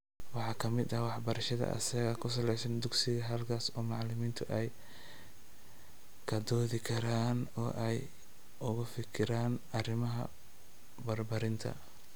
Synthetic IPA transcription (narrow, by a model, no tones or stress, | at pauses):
wɑħɑːkʰɐmɪd̪ɐwɑħbɐɾɐʃɐðɐ̰ʔɐ̰sɐɣɐkʰʊs̬ɐlɛjsɐnd̪ʊɡsɪɣɐɦɐlkʰaːsɔːmɑʕlɪmiːnt̪ʰʊʔɛj | kʰɐd̪ɔːðɪkʰɐɾaːnɔːʔɛj | ʊɣʊfɪkʰɪɾaːnɐrɪmɐɦɐ̰ | bɐrbɐɾɪnt̪ʰɐ̰